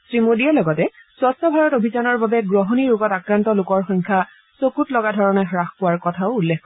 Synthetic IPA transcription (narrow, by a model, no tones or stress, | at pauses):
sɹimodiɛlɔɡɔtɛswastɔbʱaɹɔtobʱizanɔɹbabɛɡɹɔɦɔniɹoɡɔtakɹantɔlʊkɔɹxɔjŋkʰa | sokutlɔɡadʱɔɹɔnɛxɹaxpʊwaɹkɔtʰaʊːlːekːɔ